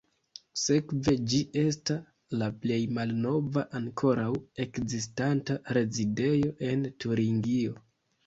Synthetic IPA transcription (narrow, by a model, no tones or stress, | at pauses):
se̞kve̞d͡ʒiʔe̞s̬tas | laple̞jmalno̞vaʔaŋkʰo̞ɾawe̞kzistantaɾe̞zide̞jo̞ʔe̞ntuɾiŋɡio̞